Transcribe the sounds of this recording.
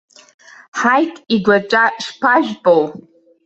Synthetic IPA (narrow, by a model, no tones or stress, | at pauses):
ħajtʰʼiɡʷaʈ͡ʂʼaʂpʰaʒᶣpʼow